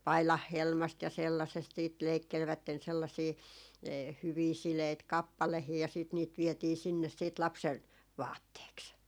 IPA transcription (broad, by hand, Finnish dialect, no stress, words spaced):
pɑilɑhːelmɑst jɑ selːɑsest siːt leikːelʋætːen selːɑsiː hyʋiː sileit kɑpːɑlehiː jɑ siːt niːt ʋietiː sinːes siːt lɑpsen ʋɑːtːeːks